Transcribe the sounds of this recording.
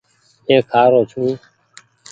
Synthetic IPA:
ẽːkʰaːɾoːt͡ʃʰuĩː

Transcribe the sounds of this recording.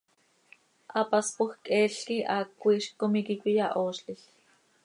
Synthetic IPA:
ʔɑpaspoxkʼɛːɬkiʔaːkʷːiːʃkːomikikʷijaʔoːʃɬiɬ

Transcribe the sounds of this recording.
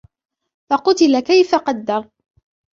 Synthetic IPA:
fɑqʊt̪ɪlakajfaqɑd̪ːɑɾˤ

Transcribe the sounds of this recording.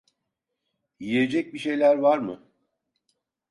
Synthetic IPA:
ijed͡ʒɛc̚biʃe̞jlʲæɾvaɾmɯ̰

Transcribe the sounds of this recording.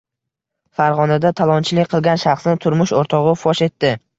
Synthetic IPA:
faɾʁɒnad̪at̪ʰalˠɒnt͡ʃʰɪlɪkʲqʰɨlˠɡʲanʃaχsnɪt̪ʰʊɾmʊʃoɾt̪ʰɒʁɨfɒʃe̞t̪ːɪ

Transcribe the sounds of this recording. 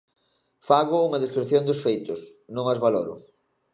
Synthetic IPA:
faɣʊuŋɐðest̪ɾuθjond̪ʊsfejt̪ʊsnõŋazβalɔɾʊ̰

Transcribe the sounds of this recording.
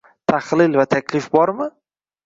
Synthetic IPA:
t̪ʰaχlɪlvat̪ʰakʲʰlɪfbɒɾmɪ

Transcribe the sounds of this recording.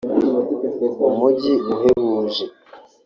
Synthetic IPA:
umuɟiuɦeβuːʒe

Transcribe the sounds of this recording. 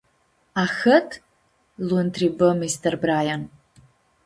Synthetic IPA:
axətʰ | luntʰribɨmistʰɐrbraːjan

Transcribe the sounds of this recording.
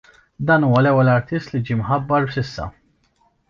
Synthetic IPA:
d̪ɐːnuːwɐlɛwːɛlɐɾt̪ɪst̪lid͡ʒiːmħɐbːɐɾbsɪsːɐ̰

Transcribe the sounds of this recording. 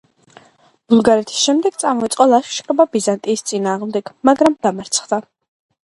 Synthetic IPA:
b̥ulˠɡaɾɛt̪ʰi̥sʃɛmd̪ɛɡ̥t̪sʼamɔitsʼqʼɔlˠaʃʃkʼɾɛbabizant̪ʼiːst̪sʼinaːʁmd̪ɛɡ̥maɡɾamd̪amaɾt̪sʰχd̪a

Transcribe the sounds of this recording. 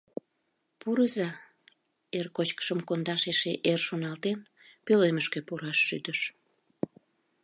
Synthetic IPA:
puɾəzɑ | erkot͡ɕkə̥ʃəmkond̪ɑʃeʃeʔerʃonɑlt̪en | pøløməʃkøpuɾɑʃːy̰d̪əʃ

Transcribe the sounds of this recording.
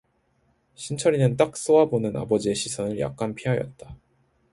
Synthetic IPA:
ɕʰint͡ɕʰʌɾinɯnt͈ak̚s͈owabonɯna̰bʌd͡ʑieɕʰisʰʌnɯɭjʔa̰k̚k͈anpʰiɦajʌ̰t̚t͈a

